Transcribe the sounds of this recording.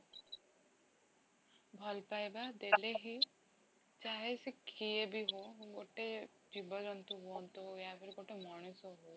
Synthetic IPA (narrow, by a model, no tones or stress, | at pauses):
bʱɔlpajbad̪eleɦi | t͡ʃaɦesekʰiebiɦoɡoʈe | d͡ʒibɔd͡ʒɔnt̪uɦuɔnt̪uojapʰɔɾiɡoʈemaɽ̃usɔɦo